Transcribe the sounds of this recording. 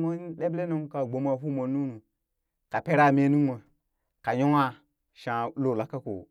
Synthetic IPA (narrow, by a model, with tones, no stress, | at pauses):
mo˦ɗe˦ble˦no˦ŋka˨ɡ͡bo˨ma˨fu˦mo˨nu˦nu˨ | ka˨pe˦ɾa˦˨me˦nu˦ma˨ | ka˨jo˦ŋa˦ | ʃã˨lo˦˨la˨kːa˦ko̰˨